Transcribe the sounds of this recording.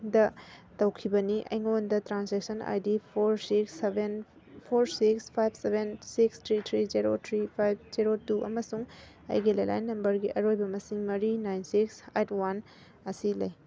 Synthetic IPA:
dɐtɐwkʰibɐniʔɐ̰jŋondɐtɾansek̚sɐna̰jdipʰoɾsiksben | pʰoɾsikspʰajb̚ʱsebʱensikstʰɾitʰɾiziɾotʰɾipʰajb̚ziɾotuʔɐ̰mɐsuŋ | a̰jɡilɐjla̰jnːɐmbɐɾɡiʔɐɾojbɐmɐsiŋmɐɾinajnsiksetwan | ɐsilɐ̰j

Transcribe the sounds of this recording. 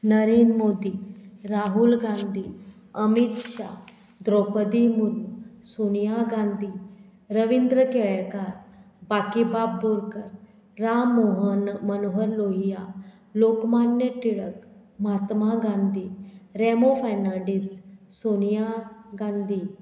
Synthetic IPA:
nəɾiːnmoːd̪iːɾaːɦulɡãːnd̪iː | əmit̪ʃa̰ː | d̪ɾoːpəd̪imʊɾmsoːnijaɡãːnd̪i | ɾəʋind̪ɾəkeɭɛkaːɾ | baːkibaːbːoɾkəɾː | aːmoɦənmɐnoɦəɾloːɦija | loːkmaːnjəʈ̪iɽəkmaːt̪maɡãːnd̪iːɾɛmopʰɛɾnãːɳɖisːonijaɡãːnd̪ʱiː

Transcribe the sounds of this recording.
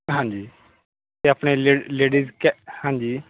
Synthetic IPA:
ɦãɲd͡ʒiː | t̪eapɽ̃eleleɽizkɛhãɲd͡ʒiː

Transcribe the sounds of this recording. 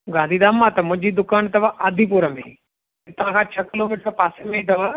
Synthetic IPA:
ɡãːnd̪ʱiːd̪aːmːat̪ɐmʊ̃ɪ̃ɲd͡ʒiːd̪ʊkaːnt̪ɐʋaʔaːd̪ʱip̬uɾəmḛ̃ḭ | t̪ɐʋãːkʰaːt͡ʃʰəkɪloːmɪʈɾəpaːsemẽĩt̪ɐʋa

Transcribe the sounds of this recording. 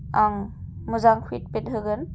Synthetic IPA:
aŋ | muzaŋkʰwit̚pet̚ɦɯɡɯn

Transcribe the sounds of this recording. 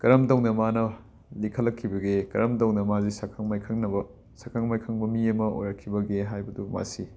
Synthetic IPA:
kɐɾɐmtɐwnɐmanɐ | likʰɐlːɐkʰːibɐɡekɐ̰ɾɐmtɐwnɐmazisakʰɐŋmajkʰɐŋnɐbɐ | sakʰɐŋmajkʰɐŋbɐmiɐmɐo̰jɾɐkʰːibɐɡeɦajbɐduma̰si

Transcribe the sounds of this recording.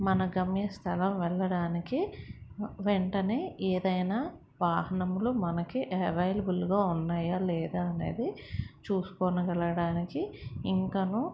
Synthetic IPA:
mɐnɐɡɐmːjɐst̪ʰɐlɐmʋɛɭːɐɽaːniki | ʋeɳʈɐne̞ːɛːd̪ɐjnaː | ʋaːɦɐɳɐmlumɐnɐkiʔɐʋɐjlɐbulɡaːunːaːjaːlɛːd̪aːne̞̰ːd̪it͡ʃuːsu̥koːnukɐlɐɽaːnikiiŋkɐnu

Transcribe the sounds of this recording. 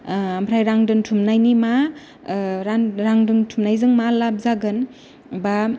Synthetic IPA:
ampʰɾajɾaŋdɯntʰumnajnima | ɾanɾaŋdɯntʰumnajzɯŋmalap̚zaɡɯn | ba

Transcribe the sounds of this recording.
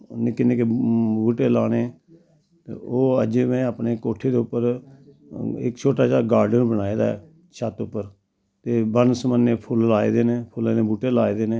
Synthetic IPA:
nɪkːɪnẽːkebuːʈeːlaːɽ̃eː | t̪ḛːoːəd͡ʒeːmɛ̃ːəpneːkoːʈʰeːd̪eːʊpːəɾ | ɪ̰kt͡ʃʰoːʈaːʃaːɡaːɾɖənbənaːeːd̪a̰ːɛː | ʃʰaːt̪ʊpːəɾ | t̪eːbənsmənːeːpʰʊlːaːḛːd̪eːnẽːpʰʊleːnẽːbuːʈeːlaːeːd̪eːnẽː

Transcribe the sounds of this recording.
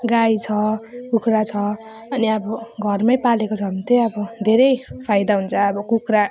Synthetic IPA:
ɡajt͡sʰʌkukʰrat͡sʰʌː | niʌbʌɡʱʌrmajpalekot͡sʰʌmit̪ejʌbʌd̪ʱeɾʌjpʰajd̪aɦunt͡sʰʌːbʌkukʰra

